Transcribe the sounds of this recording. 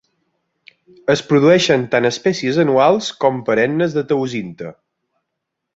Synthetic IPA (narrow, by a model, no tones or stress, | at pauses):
əspɾuðuɛʃənt̪anəspɛsiəzənualˠskɔmpəɾɛnːəzðət̪əwzint̪ə